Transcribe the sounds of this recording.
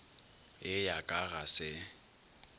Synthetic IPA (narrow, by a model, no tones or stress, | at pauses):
ɪjakʼaɣasɪ